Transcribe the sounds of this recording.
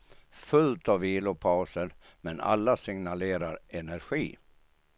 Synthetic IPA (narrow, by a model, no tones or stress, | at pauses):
fɵlt̪aviːlʊpʰaʊsəɾ | mɛna̰lːasɪŋnaleːɾaɾɛnæɾɧiː